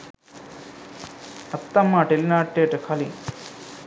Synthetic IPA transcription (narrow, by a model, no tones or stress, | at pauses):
ɐt̪ːɐmːaʈelinaːʈːeːʈɐkʰɐli